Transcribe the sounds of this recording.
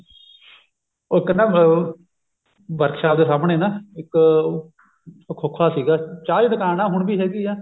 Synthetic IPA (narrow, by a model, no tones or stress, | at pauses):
oɪkənːãː | bəɾkʰʃaːʋd̪eːsaːmɳeːnãːɪk | kʰːokʰːaːsiːɡaːt͡ʃaːd͡ʒnəkaːnãːɦʊɳbiːɦɛːɡiːɛ̃ː